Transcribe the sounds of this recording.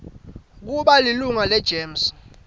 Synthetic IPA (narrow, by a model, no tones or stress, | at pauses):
k̬uɓaliluŋalɛd̥ʒ̥ʱeːms